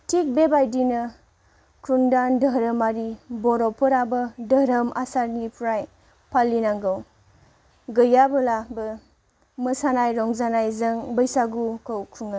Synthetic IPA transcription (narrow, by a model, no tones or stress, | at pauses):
tʰik̚bebajdinɐ | kʰundandəɦɾəmaɾibɔɾɔpʰɔɾabɐdɐɾɐmʔa̰saɾnipʰɾaj | pʰalːinaŋɡɯw | ɡɯjabɯlabɐ | mɐsanajɾɔŋzanajzɐŋbəjsaɡukʰowkʰuŋa